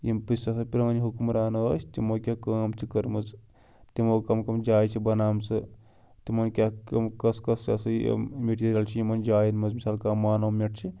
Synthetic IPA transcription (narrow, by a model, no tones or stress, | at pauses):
jimpisasɐpʲiɾɐnʲiɦukumɾaːnɐəsʰt̪imokʲakaːmt͡sʰikɐɾmɐt͡s | t̪imokɐmkɐmd͡ʒaːjt͡ʃʰibɐnaːmsɐ | t̪imɐnkʲakɐmkɐskɐsɐsɐ̰meʈiːɾijɐlt͡ʃʰijimɐnd͡ʒaːjinmɐsmisaːlkaːmaːnɐwmeʈt͡ʃʰi